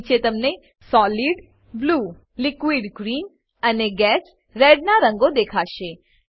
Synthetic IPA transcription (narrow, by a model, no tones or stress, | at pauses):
t͡ʃet̪əmne | sɔːliɖ | bluː | lɪkʋiɖɡɾiːn | əneɡɛs | ɾɛɖnaɾə̃ŋɡod̪ekʰaʃe